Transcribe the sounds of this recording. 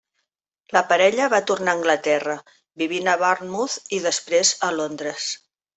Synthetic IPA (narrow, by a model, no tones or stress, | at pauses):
ləpəɾɛʎəβat̪urnaəŋɡlət̪ɛrə | biβ̞inəβarnmuθiðəspɾezəlond̪ɾəs